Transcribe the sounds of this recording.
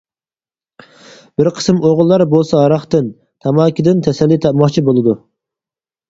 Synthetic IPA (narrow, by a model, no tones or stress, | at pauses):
bɪɾqʰə̥sɨmoʁlˠːɑɾbolˠsɑɑɾɑχt̪ɨn | t̪ʰɑmɑːkʲʰid̪ɪnt̪ʰɛsɛlːit̪ʰɑpmɑχt͡ʃʰibolˠɨd̪u